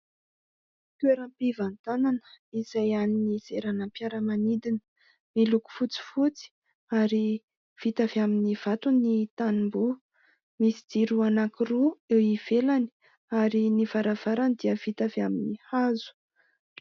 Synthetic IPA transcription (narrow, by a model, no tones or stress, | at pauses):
t̪weɾəmpivant̪ananə̥iz̥ajaninizeɾanampjaɾəmanid̪inə̥ | miluku̥fut͡si̥fut͡si̥ | aɾi | v̥it̪avaminiv̥at̪unit̪animbu | misid̪iɾuanakiruewiv̥elani̥ | aɾinivaɾav̥aɾanid̪iəv̥it̪aveaminihazu̥